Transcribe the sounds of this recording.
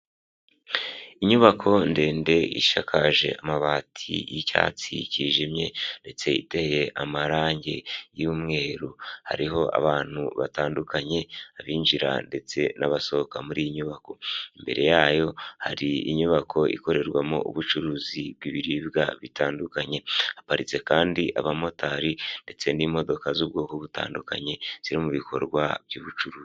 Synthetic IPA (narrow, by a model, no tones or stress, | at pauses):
iɲuβakʰo̞nde̞ːnde̞ḭʃakʰaʒe̞̰ʔamaβaːtʰḭjica̰ːt͡sḭciʒimɲe̞nde̞t͡se̞ḭte̞hje̞ʔamaɾaːɲɟe̞juːmŋe̞ːɾuha̰ɾiɦo̞ʔa̰βaːn̥huβataːndukʰaɲe̞aβiːnʒiɾa̰nde̞t͡se̞naβaso̞okamuɾiːjiɲuβako̞imbe̞ɾʔe̞jaːjo̞haɾiḭɲuβakʰo̞ḭko̞ɾe̞ɾɡwamo̰ʔṵβut͡ʃuɾuːzibɡiβiɾiβɡaβitaːndukaɲe̞apaɾit͡se̞kaːndiʔaβamo̞tʰaɾinde̞t͡se̞nimo̞do̞kazub̚ɡoːkoβuta̰ːndukaɲe̞z̥iɾimuβikʰo̞̰ɾɡwa̰βjuːβut͡ʃuɾuːzi